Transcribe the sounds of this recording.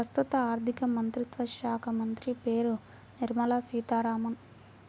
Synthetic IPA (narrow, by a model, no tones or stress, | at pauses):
ɐst̪ut̪ɐaːɾd̪ʱikɐmɐnt̪ɾit̪ʋɐʃaːkʰɐmɐnt̪ɾipeːɾu | niɾmɐlaːsiːt̪aːɾaːmɐn